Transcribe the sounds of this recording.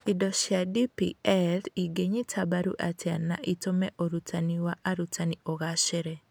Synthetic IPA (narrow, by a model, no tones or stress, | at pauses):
idɔʃjadipḭɛliɡeɲitʰabaɾṵʔatʰjanːaʔitomɛʔoɾutʰaniwaʔaɾutaniɔɣaʃɛɾɛ